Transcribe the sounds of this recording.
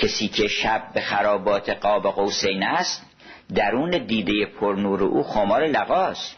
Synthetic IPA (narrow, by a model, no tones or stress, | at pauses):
cʰesiːcʰe̞ʃæb̚ːexæɾɒːbɒːt̪ʰeɢɒːbeɣowsejnæst̪ | d̪æɾuːned̪iːd̪ejepʰoɾnuːɾeʔuːxoːmɒːɾelæɣɒːst̪